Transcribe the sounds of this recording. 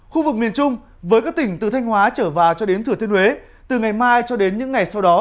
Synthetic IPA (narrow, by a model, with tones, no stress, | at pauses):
xu˧vɨ˨˩k̚mi˨˩ənt͡ɕʊ˧ŋ͡m | vəː˨˦jkaː˦˥k̚t̪ï˧˩ŋ̟t̪ɨ˨˩t̪ʰjŋ̟hwaː˨˦t͡ɕəː˧˩vaː˨˩wt͡ɕɔ˧ɗe˨˦nt̪ʰɨ˧˩ət̪i˧əhwe˨˦ | t̪ɨ˨˩ŋa˨˩jmaː˧jt͡ɕɔ˧ɗe˨˦nɲɨ̰˧˥ŋːa˨˩jsa˧wɗɔ˨˦